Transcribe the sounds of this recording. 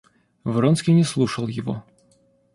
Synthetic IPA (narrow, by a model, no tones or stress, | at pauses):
vɾonskʲinʲɪslˠuʂəlˠjɪvo̰